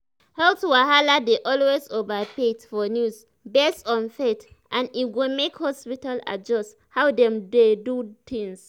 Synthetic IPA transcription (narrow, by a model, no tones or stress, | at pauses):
hɛltwaɦaladeʔɔlwezovapetfɔnjus | bɛstɔ̃nfetʔãniɡomekhɔspitala̰d͡ʒɔst | hawdɛ̃mdedut̪ĩŋs